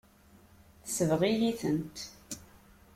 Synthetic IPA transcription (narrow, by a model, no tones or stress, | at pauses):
θsəvʁijiθənt̪